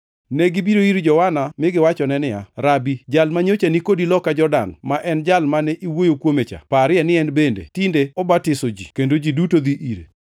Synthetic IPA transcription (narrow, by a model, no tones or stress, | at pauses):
nɛɡɪbiɾoiɾd͡ʒɔwanamɪɡɪwat͡ʃɔnɛnɪja̰ɾabid͡ʒalmaɲot͡ʃanikodilɔkad͡ʒɔrda̰nmaʔɛnd͡ʒalmanɛʔiwojokwomet͡ʃa̰paɾɪɛnɪɛnbendḛtindeɔbatɪsod͡ʒḭkendod͡ʒidutod̪iʔiɾḛ